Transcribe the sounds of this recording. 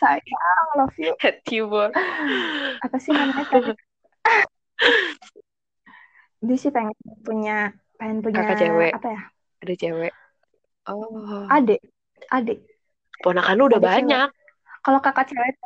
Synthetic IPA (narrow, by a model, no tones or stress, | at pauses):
sajaŋlɔfihɛt̪ibɔ | apasimana | disipaŋɛpuɲa | paɛnpuɲaakat͡ʃewɛʔapaja | adɛt͡ʃɛwɛʔ | ɔadɛ | adɛʔ | pɔnakanuudabaɲak̚ː | alokakat͡ʃɛwɛt̪̚